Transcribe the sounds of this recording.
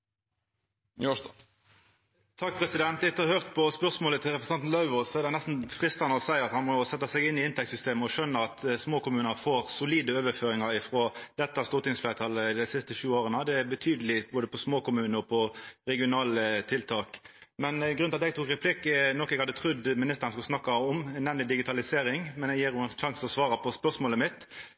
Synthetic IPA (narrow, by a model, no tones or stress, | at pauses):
t̪ʰɑk̚ːpʰʁɛsɪd̪ɛnt̪ɪt̪ːəhøːʁt̪pʰɔspœʁsmoːlət̪ʰɪlɾɛpɾəsɑnn̩lɑʉʋəsɔɛʁd̪ɛɪnæst̪n̩fʁɪst̪ɑnəɔsæɪɑt̪hɑnmɔsɛt̪ːɑsɛɡɪnːɪɪnt̪ʰɛk̚tsʏst̪eːməɔʃœnːəɑt̪smoːkʊmʉːnəɾfoːʁsʊliːd̪əøːʋəføːɾɪŋɑɾɪfʁoːd̪̥ɛt̪ːɑst̪uːʁt̪ɪŋsflæːt̪ʰɑlːəd̪ɛɪsɪst̪əʃʉːoːʁənəd̪ɛæɾbət̪ʰyːd̪əlɪboːd̪əpʰɔsmoːkʊmʉːnəɾɔpʰɔɾɛɡɪʊnɑːlət̪ʰɪlt̪ʰɑːkmɛnɡɾʉnɑt̪ɛɡt̪uːkʁɛpʰlɪkːnɔkːɛɡhɑd̪ːət̪ʰʁʉd̪mɪnɪst̪əɾɑnskʉlsnɑkːɑɔmnɛmnlɪd̪ɪɡɪt̪ʰɑlɪseːɾɪŋmɛnɛɡjiːɾuːɑnʃɑŋsɔsʋɑːɾɑpʰɔspœʁsmoːləmɪt̪